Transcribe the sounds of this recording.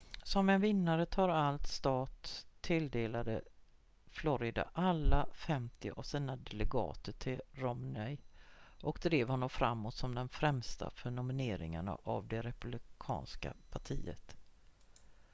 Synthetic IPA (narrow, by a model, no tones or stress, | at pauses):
sɔmɛnvɪnːaɾət̪ʰɑːɾalt̪st̪ɑːt̪ʰːɪld̪eːlad̪ə | flɔɾɪd̪a̰ʔalːafɛmt̪ɪʔavsiːnad̪ɛlɛɡɑ̰ːt̪əʈʰɪlɾɔmnɛjʔɔkd̪ɾeːvhɔnːɔmfɾamːoːt̪sɔmd̪ɛnfɾɛmst̪ʰa̰fœɳʊmɪneːɾɪ̰ŋa̰ɳa̰ʔavd̪ɛɾɛpɵblɪkʰɑ̰ːnska̰pʰaʈʰiːə̰t̪